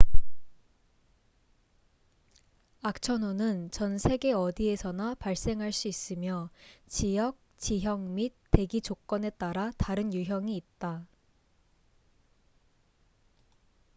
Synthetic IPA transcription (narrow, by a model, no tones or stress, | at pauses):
ak̚t͡ɕʰʌnonɯnt͡ɕʌnsʰe̞ɡe̞ʌdie̞sʰʌnapaɭs͈e̞ŋɦaɭs͈uis͈ɯmjʌt͡ɕijʌk̚t͡ɕiɦjʌŋmit̚t͈ːe̞ɡit͡ɕok͈ʌne̞t͈aɾataɾɯnjuɦjʌŋiːt̚t͈a